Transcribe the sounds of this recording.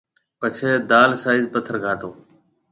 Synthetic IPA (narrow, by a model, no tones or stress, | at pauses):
pət͡ʃʰeːd̪aːlsaːɪzpət̪ʰəɾɡʱaːt̪oː